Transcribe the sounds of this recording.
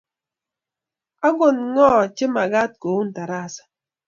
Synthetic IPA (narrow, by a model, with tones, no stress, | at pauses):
a˦ɡo˨nŋɔ˦˨t͡ʃɪ˦ma˨ɡa˦t̚ko˨˦n̩˨ta˨ɾa˦˨sḁ˨